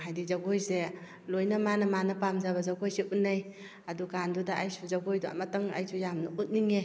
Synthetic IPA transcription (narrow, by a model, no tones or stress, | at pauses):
ɦajdizaɡojse | lojnamanɐmanɐpamzabazaɡojseʔunːaj | adukandudaajsuzaɡojdua̰mataŋa̰jsʰujamnaut̚niŋe